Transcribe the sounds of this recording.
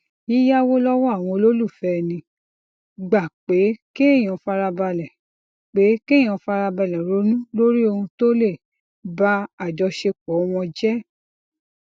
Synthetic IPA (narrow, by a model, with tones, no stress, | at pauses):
i˦ja˦wo˦lɔ˦wɔ˦a˦˨w̃ɔ̃˧lo˦lu˦˨fɛ˦˧nĩ˧ | ɡ͡ba˨k͡pe˨˦kẽ˦˨ɔ̃˨fa˧ɾa˧ba˧lɛ˨ | k͡pe˨˦kẽ˦˨ɔ̃˧fa˧ɾa˧ba˧lɛ˨ɾo˨˦nũ˦lo˦ɾi˦o˧hũ˧to˦le˦˨ | ba˦a˦˨d͡ʒɔ˧ʃe˧k͡pɔ˨˦w̃ɔ̃˧d͡ʒɛ˦